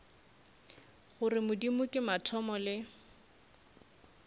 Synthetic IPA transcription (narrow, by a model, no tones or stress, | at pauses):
χʊrɪmʊdimʊkʼɪmatʰɔmɔlɪ